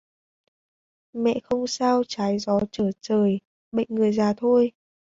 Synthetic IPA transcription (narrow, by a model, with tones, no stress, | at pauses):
mɛ̰˧˨xə˧wŋ͡msaː˧wt͡ɕaː˨˦jzɔ˨˦t͡ɕəː˧˩t͡ɕəː˨˩j | ɓə̰˧˨jŋ̟ŋɨ˨˩əjzaː˨˩t̪ʰo˧j